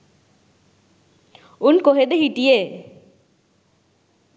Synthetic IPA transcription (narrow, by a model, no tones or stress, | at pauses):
unkoɦed̪eɦiʈije